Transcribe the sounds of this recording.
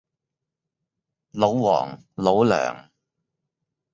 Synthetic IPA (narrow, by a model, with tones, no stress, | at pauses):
lo˨˧wwɔ̰ː˨˩ŋ | lo˨˧˥wlœ̰ː˨˩ŋ